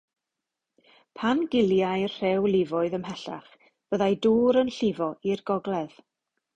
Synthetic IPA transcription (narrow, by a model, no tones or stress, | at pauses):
pʰanɡɪlˠjajrr̥ɛwlˠɪvʊɨðəmɦɛɬa̰χ | b̥əðajduːɾənɬɪvɔirɡɔɡlˠɛð̥